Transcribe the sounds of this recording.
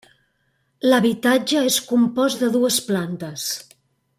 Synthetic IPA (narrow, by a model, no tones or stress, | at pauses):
ləβit̪ad͡ʒəeskumpɔzðəðuəsplant̪əs